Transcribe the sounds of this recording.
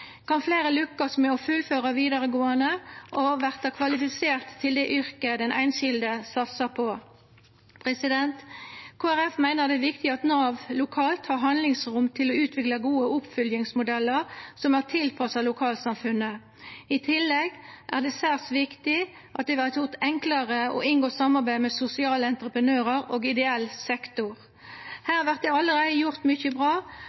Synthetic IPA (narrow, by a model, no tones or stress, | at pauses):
kʰɑnfleːɾəlʉkːəsmɛɔfʉlføːʁɑʋiːd̪ɑʁəɡoːɑnəʔɔʋæʁt̪ɑkʰʋɑlɪfɪseːʁt̪ʰːɪld̪ɛʔʏɾkəd̪ɛnʔæ̰ɪnʃɪld̪əsɑt̪sɑpʰɔ | pʰʁɛsɪd̪ɛnt̪kʰoːæʁɛfmæɪnəʁd̪ɛʋɪkt̪ɪɑt̪nɑːʋlʊkʰɑːlt̪hɑʁɦɑnlɪŋsʁʊmt̪ʰɪlɔʉːt̪ʰʋɪklɑɡuːəʊpfʏljɪŋsmʊd̪ɛlːəʁsɔmæʁt̪ʰɪlpʰɑsɑlʊkʰɑːlt̪sɑmfʉnə | ɪt̪ʰɪlːɛɡʔæ̰ʁd̪ɛːsæːʁsʋɪkt̪ɪ | ʔɑt̪̚d̪ɛʋæʁt̪jʊʁt̪ɛŋkləʁəɔ̰ʔɪnɡoːsɑmːɑʁbæɪəmɛsʊsɪɑːləɛnt̪ʁəpʁənøːʁəɾoːɡɪd̪ɛɛlsɛkt̪ʊʁ | hæːʁʋæʁt̪̚d̪ɛɑlːəʁæɪəjʊʁt̪mʏçəbʁɑː